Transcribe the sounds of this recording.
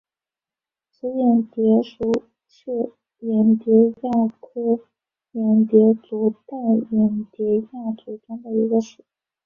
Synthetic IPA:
sə˧˥jɛ˨˩nt̪jɛ˧˥ʂu˧˥˩ | t͡ɕʰɛ˥˩ | jɛ˨˩nt̪jɛ˧˥ja˥˩kʰɤ˥ | jɛ˨˩nt̪jɛ˧˥t͡su˧˥t̪a˥˩ɪjɛ˨˩nt̪jɛ˧˥ja˥˩t͡su˨˩ʈ͡ʂʊ˥ŋd̪ə˨i˧˥ɡə˧ʂu˨˩˦

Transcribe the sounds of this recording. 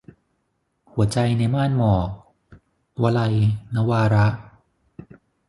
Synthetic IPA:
hu˨˩˦ɐt͡ɕa˧jna˧jmaː˥˩nmɔː˨˩k̚ | wa˧la˧jna˦˥waː˧ɾa˦˥ʔ

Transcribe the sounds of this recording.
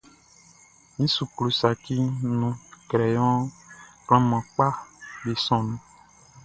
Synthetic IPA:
nĩ˦su˨klu˨sa˨ki˦nũ˨kɾɛ˨jɔ̃˦kɔ̃˦mã˨k͡pa˦be˨sɔ̃˨nũ˦

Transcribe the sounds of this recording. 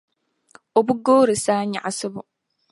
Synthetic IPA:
o˨bu˦ɡoː˦ɾɨ˨saː˦ɲa̰˨ʔa˨sɨ˦bʊ˨

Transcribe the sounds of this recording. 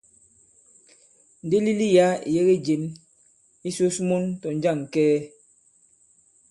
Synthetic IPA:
n̩˨de˦li˦li˦ja˦˨je˦ɣe˦d͡ʒe˨m | i˦so˦smo˦ntɔ˨n˦d͡ʒa˦˨ŋ˨kɛː˦

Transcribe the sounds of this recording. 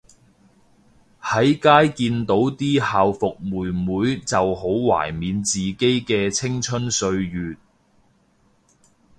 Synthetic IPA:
hɐ˨˥jkaː˥jkiː˧nt̪o˨˥wt̪iː˥haː˨wfʊ˨k̚muː˨jmuː˨˥jt͡sɐ˨who˨˥wwa̰ː˨˩jmiː˨˧nt͡siː˨ke˥jkɛː˧t͡sʰɪ˥ŋt͡ʃʰɵ˥nsɵ˧ɥjyː˨t̪̚

